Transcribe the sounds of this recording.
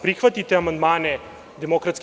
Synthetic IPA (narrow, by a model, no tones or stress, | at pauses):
pɾixʋat̪it̪ɛamand̪manɛ | d̪ɛmokɾat̪sk